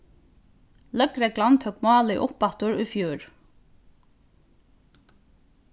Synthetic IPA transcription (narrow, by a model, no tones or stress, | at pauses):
lœkɾɛɡlant̪ʰœːkmɑːlɪʔʊpːɑt̪ʊɹʊjfjuːɹ